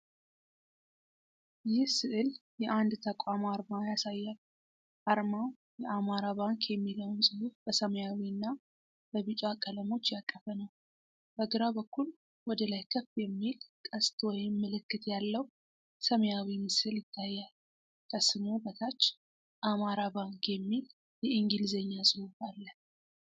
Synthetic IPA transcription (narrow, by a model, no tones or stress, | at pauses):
jɪhsɨʔɨljɛʔand̪t̪ʰəkʷʼamaɾmajasajːal | ʔaɾmaw | jɛʔamaɾaβaŋkjɛmːiləwnsʼɨufb̥əsəməjawiɨnːa | b̥əβɨt͡ʃʼakʼələmo̞t͡ʃːjakʼːəfənəw | b̥əɡɨɾabəkːul | wɔd̪əlajkʰəfjɛmːilkʼəst̪ʰwɔjɪmːəlɨkːɨt̪jalːəw | səməjawimɨsɨljɪt̪ʰːajːal | kʰəsːɨnobət̪ʰat͡ʃː | ʔamaɾabaŋkjɛmːil | jɛɨŋɡilzəɲːasʼɨhufalːə